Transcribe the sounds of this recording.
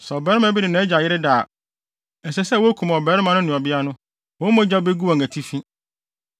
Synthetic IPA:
sɛ˨ɔ˨bɛ˨˦ɾɪ˦mã˨˦bi˦dɪ˨nã˦ɛ˦d͡ʑa˨jɪ˦ɾɪ˦da˨ | n˨sɛ˦sɛ˦˨wɔ˦æ˦kʰũ˨m˨ɔ˨bɛ˨˦ɾɪ˦mã˨nʊ̃˦nɪ̃˨ɔ˨bɪ˦a˦nʊ̃˦ | wɔ̃˨˦mɔ̃˦d͡ʑa˦be˦ɡu˦wɔ˨ŋ˨æ˨tʰi˦fĩ˦

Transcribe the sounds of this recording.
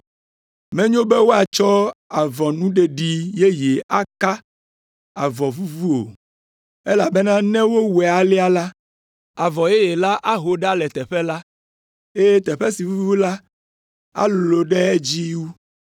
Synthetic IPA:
mɛ̃˦ɲõ˦bɛ˦wo˦a˨t͡ʃɔ˦a˨vɔ˨nũ˦ɖe˨ɖi˨je˦je˨ʔa˦ka˦ | a˨vɔ˨vu˦vu˦o̰˨ | e˦la˨bɛ˦nã˦nɛ̃˦wo˦wɛ˨a˨li˦a˦la˦ | a˨vɔ˨je˦je˨la˦ʔa˦ɦo˨ɖa˦lɛ˨t̪ɛ˨ɸɛ˦la˦ | e˦je˦t̪ɛ˨ɸɛ˦si˨vu˦vu˦la˦ | a̰˦lo˨ɖɛ˦ɛ˦d͡ʑi˦wu˦

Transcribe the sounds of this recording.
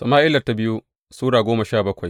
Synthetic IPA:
sɐ˨maː˦ʔɪ˦lɐ˨rta˦bɪ˦ju˦ | suː˦ɽaː˨ɡʷoː˦ma˨ʃaː˦˨bɐ˦kʷa˨j

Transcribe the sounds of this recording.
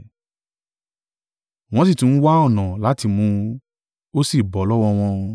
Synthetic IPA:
w̃ɔ̃˨˦s̬i˦˨tũ˨˦n̩˦wa˦ɔ˦˨nã˨la˨˦ti˧mũ˧ | o˦si˦˨bɔ˨˦lɔ˦wɔ˧w̃ɔ̃˧

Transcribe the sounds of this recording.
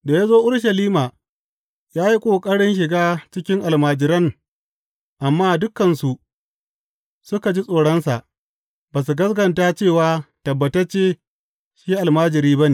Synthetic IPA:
da˨jaː˦zoː˦ʔʊ˦ɽʃɐ˨liː˦maː˨ | jaː˦ji˦kʷʼoː˨kʼɐ˦ɽɪ˦nʃ̬ɪ˨ɡaː˦t͡ʃɪ˦kʲɪ˦ŋʔa˨lmaː˨d͡ʒɪ˨ɾɐ˦ŋ | ʔa˨mːaː˦dʊ˦kːɐ˨nsu˨ʔ | sʊ˦ka˨d͡ʒi˦sʼoː˨ɽɔ˦nsa̰˨ʔ | baː˨s̬u˨ɡɐ˦sɡɐ˨ntaː˦t͡ʃeː˦˨waː˦tɐ˨bːɐ˨tɐ˦rt͡ʃeː˦ | ʃiː˦ʔa˨lmaː˦d͡ʒɪ˨ɾiː˦bɐ˦neː˨

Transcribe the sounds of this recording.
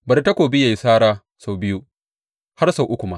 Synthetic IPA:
bɐ˨rta˦kʷoː˨bɪ˦ja˨jsaː˦ɾaː˦ | sa˨wbɪ˦ju˦ | ha˦rsa˨wʔʊ˦kʷu˨ma˦ʔ

